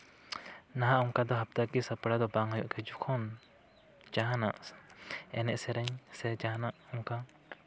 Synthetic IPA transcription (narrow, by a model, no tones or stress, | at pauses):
naɦaʔuŋkad̪ɔɦap̚t̪akisapɽad̪ɔbaŋɦɔjuʔkʰɛd͡ʒukʰɔn | t͡ʃaɦana̰ʔ | ɛnɛʔsɛɾɛɲsɛd͡ʒaɦanaʔuŋka